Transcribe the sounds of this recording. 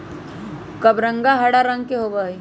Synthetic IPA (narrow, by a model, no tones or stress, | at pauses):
kɐbɾə̃ŋɡaɦɐɽaɾə̃ŋɡkeɦobai